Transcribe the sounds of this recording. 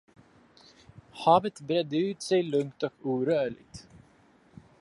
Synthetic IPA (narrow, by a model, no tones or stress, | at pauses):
hɑːvət̪bɾɛd̪ːəʉ̟ːt̪sɛjlɵŋkt̪ɔkuːɾœːɭɪ̰ɡ̚t̪